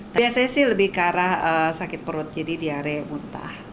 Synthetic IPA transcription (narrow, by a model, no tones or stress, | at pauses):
t̪abiasaɲasɪhləbɪhkaɾahəsakɪt̪̚pəɾʊt̪̚d͡ʒadidiaɾɛmunt̪a̰h